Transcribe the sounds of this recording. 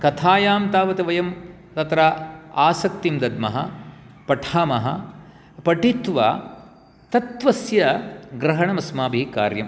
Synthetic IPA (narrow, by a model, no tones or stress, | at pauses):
kɐt̪ʰaːjaːmt̪aːʋɐt̪ɐʋɐjɐm | t̪ɐt̪ɾaaːsɐk̚t̪imd̪ɐd̪̚mɐɦɐ̰ | pɐʈʰaːmɐɦɐ̰ | pɐʈit̪ʋɐ̰ | t̪ɐt̪ʋɐsjɐɡɾɐɦɐɳɐmɐsmaːbʱika̰ːɾjɐm